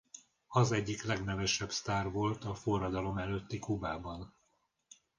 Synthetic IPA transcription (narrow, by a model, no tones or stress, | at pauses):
ɒzɛɟːiklɛɡnɛvɛʃɛbst̪aːrvo̞lt̪ɒfo̞rːɒd̪ɒlo̞mɛløt̪ːikubaːbɒn